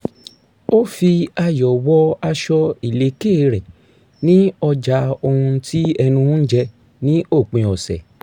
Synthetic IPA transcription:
o˦fi˧a˧jɔ˨wɔ˦a˧ʃɔ˧i˨le˨˦ke˦˨ɾɛ˨ | nĩ˦ɔ˧d͡ʒa˧o˧hũ˧ti˦ɛ˧nũ˧˦d͡ʒɛ˧ | nĩ˦o˦˨k͡pĩ˧ɔ˨sɛ̰˨

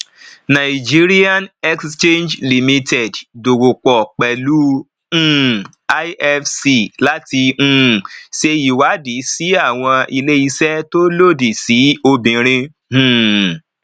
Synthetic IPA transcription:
nã˨i˨d͡ʒi˦ɾi˦a˦nɛ˦kst͡ʃe˦nd͡ʒli˨mĩ˧tʰɛ˨ddo˨wo˨k͡pɔ˨k͡pɛ˨lũ˨˦ | a˦ɛ˦fsi˧˨la˦tĩ˧˨se˧ji˨wa˨˦di˨˦si˦a˦˨w̃ɔ̃˧i˧le˦i˧sɛ˦to˦lo˦˨di˨si˨˦o˧bĩ˨ɾ̃ĩ˧ | hũ˨

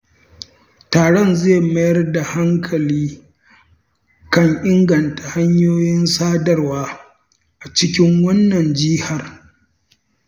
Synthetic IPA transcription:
taː˨ɽɔ˦nzeː˦˨mɐ˦jɐ˦rda˨ha˦ŋkʰɐ˨liː˦ | kɐ˦˨ŋʔɪ˦ŋɡɐ˨nta˨ha˦ɲjoː˦jɪ˦nsaː˦dɐ˦rwaː˦ | ʔa˨t͡ʃɪ˦kʲɪ˦ŋwɐ˦nːɐ˨nd͡ʒiː˦ha˨r

